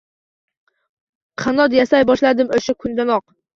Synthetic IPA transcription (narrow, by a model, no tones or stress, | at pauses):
qʰanɒt̪jasajbɒʃlad̪ɪmɵʃakʰʊnd̪anɒq